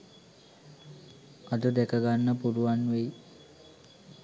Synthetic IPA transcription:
ad̪ud̪ekəɡanːəpuɾuʋanʋej

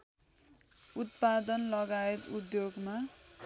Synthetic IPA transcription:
ut̪pad̪ʌnlʌɡaet̪ud̪joɡma

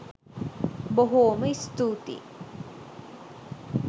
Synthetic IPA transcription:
boɦoːməist̪uːt̪ḭ

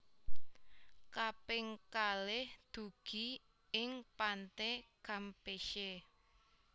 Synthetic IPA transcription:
kapɪŋkalɪhd̪̥ṳɡ̥i̤ | ɪŋpant̪ekampeʃe

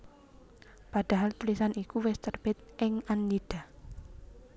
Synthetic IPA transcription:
pad̥a̤ɦalt̪ulisanikuwɛst̪ərb̥ɛt̪̚ʔɪŋanːid̥a

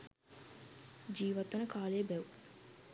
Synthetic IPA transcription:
d͡ʒiːʋat̪unəkaːlejːbɛʋu

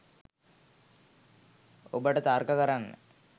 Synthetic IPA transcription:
obəʈət̪aːrkəkəɾanːə̰

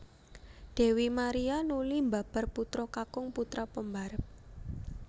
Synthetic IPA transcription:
d̪̥e̤wimaɾianulimba̤b̥a̤rput̪ɾɔkakʊŋput̪ɾapəmbaɾəp̚

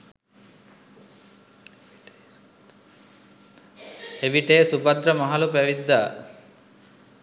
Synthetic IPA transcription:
eʋiʈeːsubɐd̪ɾəmɐɦɐlupæʋid̪ːaː

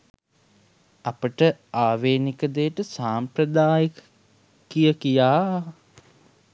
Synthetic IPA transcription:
apəʈəaːʋeːnikəd̪ejːʈəsaːmpɾəd̪aːji | kijəkijaː

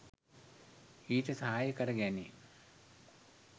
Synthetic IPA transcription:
iːʈəsɐɦaːjəkɐɾɐɡæni

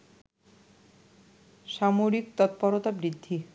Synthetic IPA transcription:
ʃamoɾikt̪ɔt̪̚pɔɾot̪abɾid̪ʱːi

